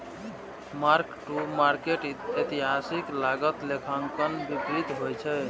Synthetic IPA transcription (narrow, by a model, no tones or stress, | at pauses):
maɾkʈumaɾkeʈet̪iɦasiklaɡət̪lekʰaŋkənbipɾid̪ɦojt͡ʃʰɛ